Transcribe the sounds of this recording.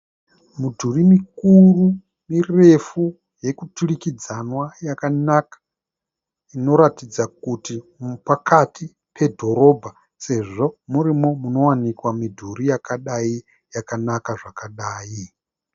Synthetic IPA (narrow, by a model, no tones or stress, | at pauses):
mudʱurimikuru | mire̞fu | je̞kutulikid͡zanwajakanakḁ | ino̞ɾatid͡zakutimpakʰatʰi | pʰe̞dʱo̞ɾo̞bʱa | se̞ʐo̞muɾimomuno̞wanikwamidʱuɾijakaɗai | jakanakaʐakaɗaːi